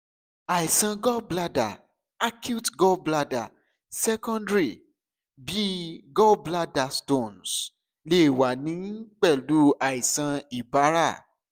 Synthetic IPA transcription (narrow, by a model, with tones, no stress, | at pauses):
a˨i˨sã˧ɡɔ˦bla˦da˨ | a˦kju˦tɡɔ˦bla˦da̰˨ | sɛ˦kɔ̃˦ndɾi˨ | bi˦ɡɔ˦bla˦da˨stõ˦˨ns | le˦i˦˨wa˨nĩ˨˦k͡pɛ˦˨lu˦a˨i˨sã˧i˨ba˨˦ɾa˦˨